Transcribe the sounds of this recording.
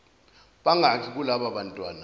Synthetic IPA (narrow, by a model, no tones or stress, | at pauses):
ɓaŋakʰik̬ulaɓaɓantʼwa̰ːna